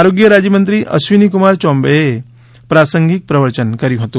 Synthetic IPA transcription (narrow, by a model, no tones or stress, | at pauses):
aɾoɡjəɾad͡ʑjəmənt̪ɾiːʔɐ̰sʋinikumaɾt͡ɕɔ̃mbəje | pɾasəŋɡik̚pɾəʋəɾt͡ɕənkəɾiɦot̪o